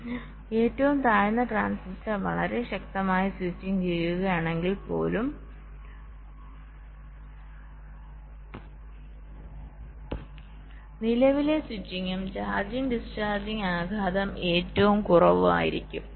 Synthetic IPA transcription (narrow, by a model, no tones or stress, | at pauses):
e̞ːtːɐʋumt̪aːjnːɐʈraːnsitːɐʋɐ̰ɭɐɾe̞ɕɐk̚t̪ɐmaːjiswit͡ɕːiŋt͡ɕeɭjuɣɐjaːɳe̞ŋɡilpo̞̰ːlum | nilɐʋile̞swit͡ɕːiŋːumt͡ɕaːrd͡ʑiŋɖist͡ɕaːrd͡ʑiŋaːɡʱaːd̪ɐme̞ːtːɐʋumkurɐʋua̰ːjḭɾḭkʲːum